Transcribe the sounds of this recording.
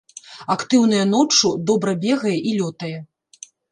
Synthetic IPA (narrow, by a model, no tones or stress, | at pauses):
akt̪ɨwnɐjɐn̪ɔt͡ʂːud̪ɔbɾɐbʲɛɣɐjɛʔilʲɔt̪ɐjɛ